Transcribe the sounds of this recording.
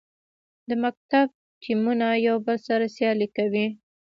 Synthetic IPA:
d̪əmak̚t̪ab̚ | ʈʰimunajawbəlsaɾasjɑlikawi

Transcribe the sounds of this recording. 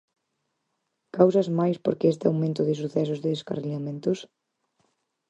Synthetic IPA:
kawsazmajspoɾkɪest̪ɪawmẽnt̪ʊðɪs̬uθɛsʊzðɪðeska̰reʎamẽnt̪ʊs

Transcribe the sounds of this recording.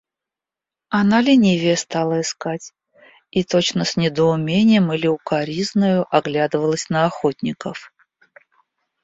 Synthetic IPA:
analʲɪnʲivʲeəst̪alˠəɪskatʲ | it̪ot͡ɕnəsnʲɪd̪əʊmʲenʲɪjəmɨlʲɪʊkaɾʲiznəjʊʔaɡlʲad̪ɨvəlˠəsʲnəɐxot̪ʲnʲɪkəf

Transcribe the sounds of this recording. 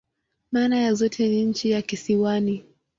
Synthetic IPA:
maːnajazɔtʰɛniɲ̩t͡ʃijakisiwani

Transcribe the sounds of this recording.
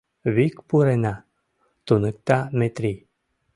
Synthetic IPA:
vikpuɾena | t̪unɨk̚t̪amet̪ɾi

